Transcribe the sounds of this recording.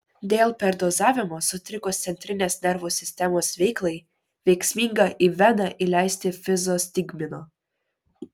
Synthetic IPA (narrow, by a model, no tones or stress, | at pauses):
d̪ʲeːlˠpʲɛɾd̪oːzɑːʋʲɪmoːsʊt̪ʲɾʲɪkoːst̪sʲɛnʲt̪ʲɾʲɪnʲeːsnʲɛɾʋusʲɪsʲt̪ʲɛmoːsʋʲɛɪklˠɐɪ | ʋʲɛɪksʲmʲiŋɡɐʔiʋʲɛnɐʔilʲæˑɪsʲt̪ʲɪfʲɪzosʲt̪ʲɪɡʲmʲɪnoː